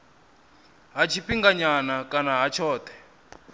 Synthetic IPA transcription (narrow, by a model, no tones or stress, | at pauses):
ɦat͡ʃʰipiŋɡaɲanakʼanaɦat͡ʃʰɔːt̪ʰɛ̥